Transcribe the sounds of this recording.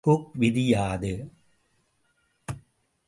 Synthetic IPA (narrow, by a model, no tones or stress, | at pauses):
ʊkʋɪðɪjaːðɯ